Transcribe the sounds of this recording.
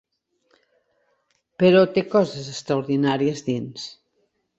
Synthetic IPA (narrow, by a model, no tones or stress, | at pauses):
pəɾɔt̪ekɔzəzəkst̪ɾauɾðinaɾiəzðins